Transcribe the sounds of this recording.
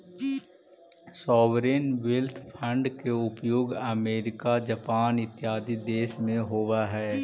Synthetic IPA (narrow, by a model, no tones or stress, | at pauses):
sɔːʋɾeːnʋɪlt̪ʰpʰɐ̃ɳɖkeʊpjoːɡɐmeːɾɪkad͡ʒɐpaːnɪt̪ɪjaːd̪id̪eːʃmẽɦoːwaɦɛː